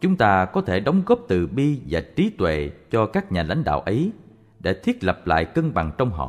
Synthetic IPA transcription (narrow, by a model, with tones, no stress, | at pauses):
t͡ɕʊ˨˦ŋ͡mt̪aː˧kɔ˨˦t̪ʰe˧˩ɗɔ˨˦wŋ͡mɣɔ˦˥p̚t̪ɨ˨˩ɓi˧vaː˨˩t͡ɕi˨˦t̪wḛ˧˨t͡ɕɔ˧kaː˦˥k̚ɲaː˨˩la̰˧˥jŋ̟ɗa̰ː˧˨wʔə˨˦j | ɗḛ˧˩t̪ʰwi˦˥ət̚lə˨˩p̚la̰ː˧˨jkə˧ŋɓa˨˩ŋt͡ɕɔ˧wŋ͡mɦɔ̰˧˨